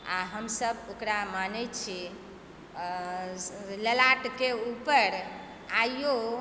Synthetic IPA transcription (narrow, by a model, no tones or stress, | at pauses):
aɦəmsəbokɾamanɛtt͡ʃʰi | ləlaʈkeupəɾ | ajjo